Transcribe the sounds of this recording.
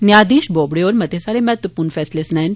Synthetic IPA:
njaːd̪iːʃboːbɽeɔːɾmɐd̪ʱjesaːɾemɛɦt̪wəpuːɾnfʰɛːslesnɛ̃n

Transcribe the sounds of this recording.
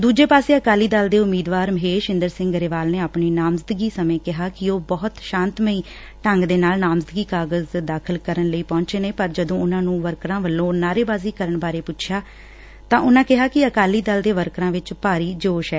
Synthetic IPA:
d̪uːd͡ʒeːpaːseːəkaːliːd̪əld̪eːʊmːiːd̪ʋaːɾməɦeːʃɪnd̪əɾsɪ̃ŋɡəɾeːʋaːlneːaːpɳiːnaːmzəd̪ɡiːsəmẽːkɪɦaːkɪoːbɔːt̪ʃãːnt̪məiː | ʈəŋɡd̪eːnaːlnaːmzd̪ɡiːkaːɡəzd̪aːkʰəlkəɾənləiːpɔ̃ːɲt͡ʃeːneːpəɾd͡ʒəd̪õːʊnãːnũːʋəɾkɾãːʋəlːõːnaːɾeːbaːziːkəɾəɳbaːɾeːpʊtːt͡ʃʰjaː | t̪ãːʔʊnãːkɪɦaːkɪəkaːliːd̪əld̪eːʋəɾkɾãːʋɪt͡ʃpaːɾiːd͡ʒoːʃɛː

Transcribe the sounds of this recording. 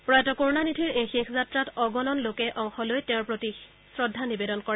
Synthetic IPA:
pɹɔjatɔkoɹnanitʰiɹejxexʰzatɹatɔɡɔnɔnlokɛʔɔŋxɔlojtɛ̃ʊɹpɹoti | sɹɔdʱːanibedɔnkɔɹɛ

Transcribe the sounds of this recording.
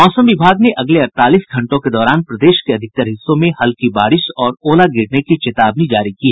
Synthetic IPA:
mɔːsəmʋɪbʱaːɡneʔʔɐɡleɐɾt̪aːliːsɡʱɐ̃ɳʈõked̪ɔːɾaːnpɾɐd̪eːʃkeɐd̪ʱɪk̚t̪əɾɦɪsːõmẽhɐlkibaːɾɪʃɔːɾoːlaɡɪɽnekit͡ʃet̪aːbnid͡ʒaːɾikiɦɛː

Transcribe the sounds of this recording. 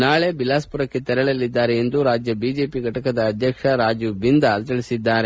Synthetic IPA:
naːɭe̞bilaːspuɾɐkːe̞t̪ɛɾɐɭɐlːid̪ːaːɾeend̪uɾaːd͡ʒjɐbiːd͡ʒe̞ːpiɡʱɐʈɐkɐd̪ɐːd̪ʱjɐkʂɐɾaːd͡ʒjubind̪ɐlt̪ɐɭisid̪ːaːɾe

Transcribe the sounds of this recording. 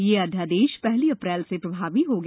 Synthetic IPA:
jeːɐd̪ʱjad̪eːʃpɛɦliɐpɾɛːlsepɾɐbʱaːʋiɦoɡ

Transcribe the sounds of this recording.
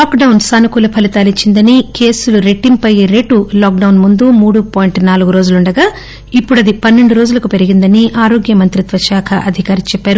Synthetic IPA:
laːkɖɐwnsaːnukuːlɐpʰɐlit̪aːlit͡ʃːind̪ɐnike̞ːsuluɾe̞ʈːimpɐjɾe̞ʈulaːk̚ɖɐwnmund̪umuːɽupaːjiɳʈnaːluɡuɾo̞ːd͡ʒuluɳɖɐɡaː | ipːuɽɐd̪ipɐnːe̞ɳɖuɾoːd͡ʒulɐkupe̞ɾiɡind̪ɐniʔaːɾoːɡjɐmɐnt̪ɾit̪ʋɐʃaːkʰɐʔɐd̪ʱikaːɾit͡ʃɛpːaːɾu

